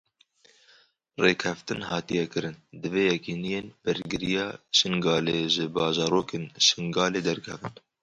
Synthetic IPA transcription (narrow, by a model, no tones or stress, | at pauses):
reːkʰɛft̪ɨnhɑːt̪ijɛkɨɾɨnd̪ɨveːjɛkiːnijeːnb̥ɨɾɡɨɾijɑːʃɨŋɡɑːleːʒɨbɑːʒɑːɾoːkeːnʃɪŋɡɑːleːd̪ɛɾkʰɛvɨn